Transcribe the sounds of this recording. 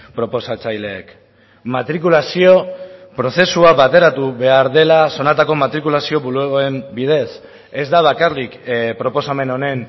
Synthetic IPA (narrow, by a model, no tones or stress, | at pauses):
pɾo̞po̞sat͡sajle̞ːk | mat̪ɾikulasio̞pɾo̞se̞suaβat̪e̞ɾat̪uβe̞aɾðe̞laso̞nat̪ako̞mat̪ɾikulasio̞βulueɣoembið̞e̞s | e̞zd̪aβakarlikpɾo̞po̞same̞no̞ne̞n